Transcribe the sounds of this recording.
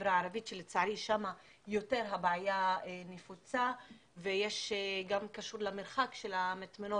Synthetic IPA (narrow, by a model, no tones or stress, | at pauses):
vɾaaɾavitʃelet͡saʕɾiʃama | jo̞te̞ɾɦabʕajanefut͡sa | vejeʃɡamkaʃuɾlameɾχakʃelamatmeno